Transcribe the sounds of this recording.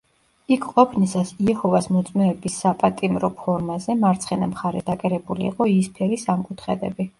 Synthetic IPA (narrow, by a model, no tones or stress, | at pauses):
ikʰqʼɔpʰnisasiɛhɔvasmɔt̪sʼmɛɛbisːapʼat̪ʼimɾɔpʰɔɾmazɛmaɾt̪sʰχɛnamχaɾɛd̪̥akʼɛɾɛbulḭːqʼɔispʰɛlisamkʼut̪ʰχɛd̪ɛ̰bi